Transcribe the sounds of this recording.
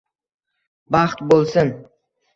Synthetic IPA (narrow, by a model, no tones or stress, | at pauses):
bɑχt̪bolˠsɪn